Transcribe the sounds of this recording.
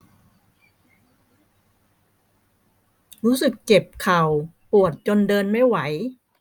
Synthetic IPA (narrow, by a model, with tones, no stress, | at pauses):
ɾuː˦˥sɯ˨˩kt͡ɕe˨˩p̚kʰa˨˩w | pu˨˩ət̪̚t͡ɕo˧ndɤː˧nma˥˩jwa˩˦j